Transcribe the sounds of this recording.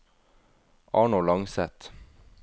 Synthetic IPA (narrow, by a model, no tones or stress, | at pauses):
ʔɑːɳʊlɑŋsɛt̪